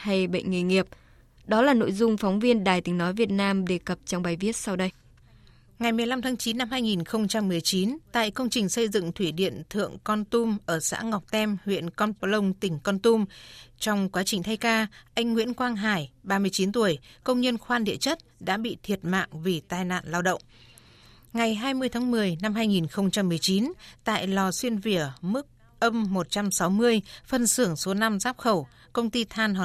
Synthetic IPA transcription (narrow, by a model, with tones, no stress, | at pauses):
ha˧jɓə̰˧˨jŋ̟ŋḭ˧˨ŋi˨˩əp̚ | ɗɔ˨˦laː˨˩no̰˧˨jzʊ˧ŋ͡mfɔ˨˦wŋ͡mvi˧ənɗaː˨˩jt̪ï˨˦ŋnɔ˨˦jvi˨˩ə˩t̚naː˧mɗe˨˩kə˨˩p̚t͡ɕɔ˧wŋ͡mɓaː˨˩jvi˦˥ət̚sa˧wɗə˧j | ŋa˨˩jmɨ˨˩əjla˧mt̪ʰaː˨˦ŋt͡ɕi˨˦nːa˧mhaː˧jŋi˨˩nxə˧wŋ͡mt͡ɕa˧mːɨ˨˩əjt͡ɕi˨˦nt̪a̰ː˧˨jkə˧wŋ͡mt͡ɕï˨˩ŋ̟sə˧jzɨ̰˧˨ŋt̪ʰwi˧˩ɗḭ˧˨ənt̪ʰɨ̰˧˨əŋkɔ˧nt̪u˧mʔəː˧˩sa̰ː˧˥ŋɔ˨˩k͡p̚t̪ɛ˧mhwḭ˧˨ənkɔ˧nplə˧wŋ͡mt̪ï˧˩ŋ̟kɔ˧nt̪u˧mt͡ɕɔ˧wŋ͡mkwaː˨˦t͡ɕï˨˩ŋ̟t̪ʰa˧jkaː˧ʔa˧jŋ̟ːŋwḭ˧˥ənkwaː˧ŋɦaː˧˩jɓaː˧mɨ˧ət͡ɕi˨˦nt̪u˧˩əjkə˧wŋ͡mɲə˧nxwaː˧nɗḭ˧˨ət͡ɕə˦˥t̚ɗa̰ː˧˥ɓḭ˧˨t̪ʰi˨˩ət̚ma̰ː˧˨ŋvi˨˩t̪aː˧jna̰ː˧˨nlaː˧wɗə̰˧˨wŋ͡m | ŋa˨˩jɦaː˧jmɨ˧əjt̪ʰa˨˦ŋmɨ˨˩əjna˧mɦaː˧jŋi˨˩nxə˧wŋ͡mt͡ɕa˧mːɨ˨˩əjt͡ɕi˨˦nt̪a̰ː˧˨jlɔ˨˩swi˧ənvi˧˩əmɨ˦˥k̚ | ʔə˧mːo˨˩t̚t͡ɕa˧msa˨˦wmɨ˧əjfə˧˩nsɨ˧˩əŋso˨˦na˧mzaː˦˥p̚xə˧˩w | kə˧wŋ͡mt̪i˧t̪ʰaː˧nɦɔ˧˨